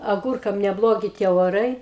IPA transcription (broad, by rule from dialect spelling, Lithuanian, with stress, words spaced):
ɐˈɡʊrkɐm nʲɛˈblˠoːɡʲɪ tʲiɛ oːˈrɐɪ